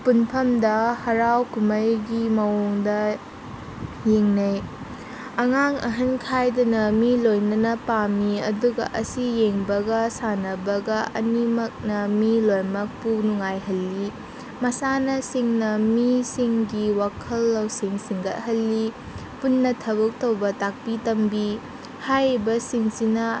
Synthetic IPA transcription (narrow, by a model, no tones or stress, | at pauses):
punpʰɐmdɐhɐɾawkumɐjɡimɐwoŋdɐ | jeŋnɐj | ɐŋaŋɐ̰ɦɐnkʰajdɐnɐmilojnɐnɐpamiɐduɡɐ̰ʔɐsijeŋbɐɡɐsanɐbɐɡɐʔɐnimɐk̚nɐmilojmɐk̚punuŋajɦɐlːi | mɐsanɐsiŋnɐmisiŋɡiwakʰɐlːɐwsiŋsiŋɡɐt̚hɐlːi | punːɐtʰɐβɐk̚tɐwbɐtak̚pitɐmbi | hajɾbɐsiŋsinɐ